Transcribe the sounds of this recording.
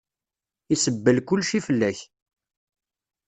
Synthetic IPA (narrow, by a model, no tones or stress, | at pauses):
isəbːəlkʊlːʃifəlːæç